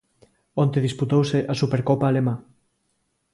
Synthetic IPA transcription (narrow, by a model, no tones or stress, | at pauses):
ont̪eðisput̪owseʔasupeɾkopaːlemã